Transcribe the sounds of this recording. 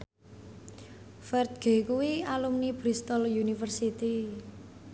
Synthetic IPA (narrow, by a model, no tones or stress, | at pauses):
fɛrt̪̚ɡ̥e̤kuwialumnibɾist̪ɔljunifərsit̪i